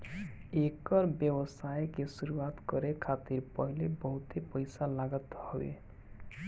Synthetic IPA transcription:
ekəɾbjʌwəsajkesuɾuwat̪kʌɾekʰat̪iɾpəɦilebəɦut̪epəjsalaɡət̪hɔbḛ

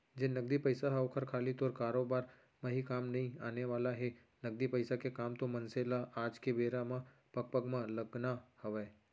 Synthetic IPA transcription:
d͡ʒenəɡd̪ipəjsaɦaʋkʰəɾkʰaːlit̪oːɾkaːɾobaːɾ | mãɦikaːmnɐɦĩaːneʋaːlaɦe | nəɡ̚d̪ipəɪsakekaːmt̪omənselaʔaːd͡ʒkeʋeːɾamã | pək̚pəɡmãləɡnahəʋeː

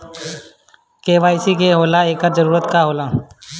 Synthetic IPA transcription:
keːʋaːɪsikeɦoːlaeːkəɾd͡ʒəɾuːɾət̪kaɦoːlaː

